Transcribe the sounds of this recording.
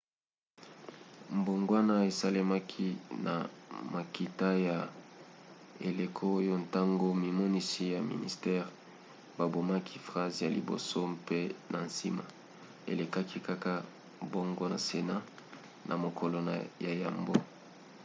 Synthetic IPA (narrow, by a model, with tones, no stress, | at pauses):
mbo˨ŋɡwa˦na˦e˨sa˦le˦ma˦kʰi˦na̰˨ma˨ki˨ta˦ja˨ | e˨le˨kʰo˦jo˦nta˦ŋɡo˦mi˨mɔ˦ni˦si˦ja˨mḭ˨nḭ˨stɛ˦ʁ | ba˨bo˨ma˦kʰi˦fʁa˦zja˨lḭ˨bo̰˨so˦mpe˦nʔa˨nsi˦ma̰˨ | ḛ˨le˨ka˦kʰi˦ka˦ka˦ | bo˦ŋɡo˦na˨se˨na˦ | nʔa˨mo˨kʰo˨lo˨na˨ja˨ja̰˨mbo˦